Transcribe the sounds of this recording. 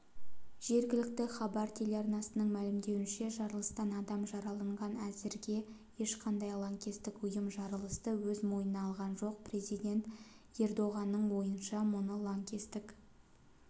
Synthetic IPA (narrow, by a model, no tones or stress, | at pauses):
ʒ̥e̞ɾɡʲɪlɪkt̪ɪχɑbɑɾt̪ʰe̞leɑɾnɑsənəɴmælɪmd̪e̞wɪnʃe̞ʒɑɾəlˠəst̪ɑnɑd̪ɑmʒɑɾɑlˠɑɴʁɑnæzɪɾɡʲe̞je̞ʃqʰɑnd̪ɑjlˠaŋkʲest̪ɪkʊjəmʒɑɾəlˠəst̪əwɵzmo̞jənɑɑlˠʁɑnʒo̞q̚pre̞zijd̪ʲe̞nt̪ | e̞rd̪o̞ʁɑnːəɴwo̞jənʃɑmʊnəlˠaŋkʲe̞st̪ɪk